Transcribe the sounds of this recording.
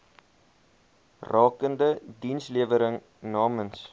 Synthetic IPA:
rʔɑːkəndədinsliəvəɾəŋ | nɑːməns

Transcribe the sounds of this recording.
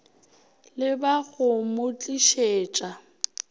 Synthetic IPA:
lɪbaɣʊmʊt͡ɬʼiʃeːt͡ʃʼa

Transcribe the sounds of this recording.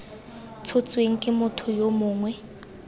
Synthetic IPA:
t͡sʰot͡sʼweŋ̩kʼɪmʊtʰʊjomʊːŋwɛ

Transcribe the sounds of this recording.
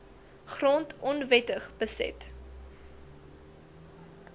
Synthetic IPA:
χrɔntɔnvɛtəχb̥əsɛ̰t

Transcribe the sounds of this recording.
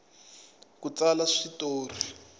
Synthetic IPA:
kut͡salaʂitoːri

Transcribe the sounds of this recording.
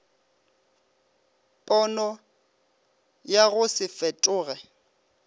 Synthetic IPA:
pʼɔnɔ | jaɣʊsɪfɛtʼʊːɣɛ

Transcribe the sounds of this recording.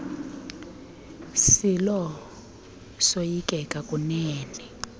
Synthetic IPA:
silɔ | sojikʼɛkʼakʼunɛːnɛ

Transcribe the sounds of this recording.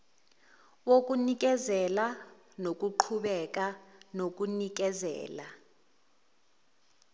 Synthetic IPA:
wok̬ʼunik̬ʼɛzɛla | nok̬ʼuǃʰuɓɛk̬ʼanok̬ʼunik̬ɛzɛ̰ːla

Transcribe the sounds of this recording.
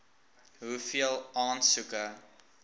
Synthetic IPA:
ɦufiəlˠɑːnsukə

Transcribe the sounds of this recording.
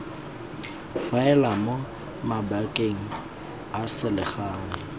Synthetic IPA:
faɛlamo | mabakʼeŋ̩ | asɪlɪχaːŋɪ

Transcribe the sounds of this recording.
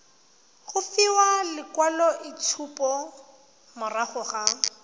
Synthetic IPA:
ɣʊfɪwalɪkwalɔʔɪt͡sʰupɔ | mʊraɣʊɣa

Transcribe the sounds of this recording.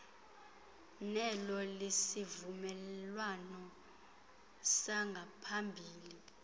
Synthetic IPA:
nɛlɔlesivumɛlwanɔ | saŋɡʱapʰambʱiːli

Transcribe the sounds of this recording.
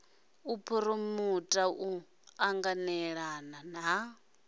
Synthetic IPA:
upʰuɾumutʼaʔu | aŋɡanɛɺanan̤a

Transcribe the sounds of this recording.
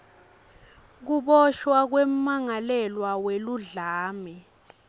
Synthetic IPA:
k̬uɓɔʃwak̬wɛm̩ːaŋalɛlwaweluɮaːmɛ

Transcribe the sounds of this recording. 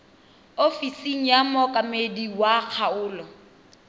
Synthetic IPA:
ofisiŋ̩jamɔkʼamediwak͡xʰaʊːlɔ

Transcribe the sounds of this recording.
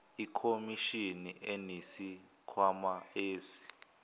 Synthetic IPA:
ikʰomiʃiniʔenisi | kʰwamaeːzi̥

